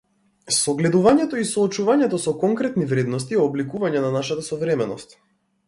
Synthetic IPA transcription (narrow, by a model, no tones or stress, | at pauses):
sɔɡlɛd̪uvaɲɛt̪ɔisɔːt͡ʃuvaɲɛt̪ɔsɔkɔŋkɾɛt̪nivɾɛd̪nɔst̪iɔblikuvaɲɛnanaʃat̪asɔvɾɛmɛnɔst̪